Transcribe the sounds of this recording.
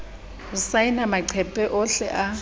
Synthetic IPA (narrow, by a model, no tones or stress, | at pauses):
usaɪnamaǀʰɛpʼɛʔɔɬɛ̰ʔa